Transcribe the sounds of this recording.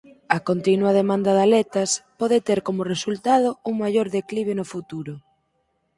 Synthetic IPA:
ɐkont̪inwɐðemãnd̪ɐðalɛt̪ɐspɔðet̪eɾkomʊresult̪aðouŋmajoɾðekliβ̞enofut̪uɾʊ

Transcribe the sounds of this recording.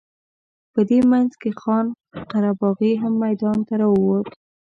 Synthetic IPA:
pəd̪emanzkexɑn | qaɾabɑɣiɦamːajd̪ɑnt̪aɾɑwəwot̪

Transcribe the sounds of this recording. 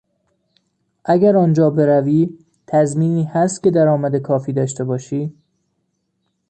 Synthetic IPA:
ʔæɡæɾɒːnd͡ʒɒːbe̞ɾæviː | t̪ʰæzmiːniːhæst̪̚cʲe̞d̪æɾɒːmæd̪ekʰɒːfiːd̪ɒːʃt̪ebɒːʃiː

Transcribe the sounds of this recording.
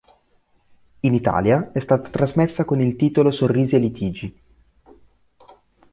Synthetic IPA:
init̪a̰ːljaɛst̪aːt̪ḁt̪ɾazmesːakonilt̪iːt̪olosorːiːzielit̪ʰiːd͡ʒi

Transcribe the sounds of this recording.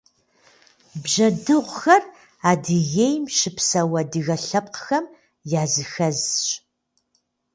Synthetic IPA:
bʒɐdɨʁʷxɐr | aːdɨɣejmʃɪpsɐwɐdɨɣɐɬɐp̚qəxɐm | jaːzɨxɐzɕ

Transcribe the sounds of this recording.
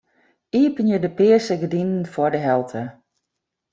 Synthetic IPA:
iəpənjədəpɪəsəɡədindn̩fɔdəɦɛlˠtʰə

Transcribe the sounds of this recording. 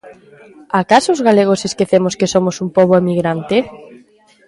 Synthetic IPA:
akasoʊzɣaleɣ̞oseskeθemoskesomosumpoβoemiɣɾant̪ɪ

